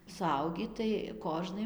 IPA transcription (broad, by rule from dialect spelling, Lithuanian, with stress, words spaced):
sʊˈɐʊɡʲiː tɐɪ ˈkoːʒnɐɪ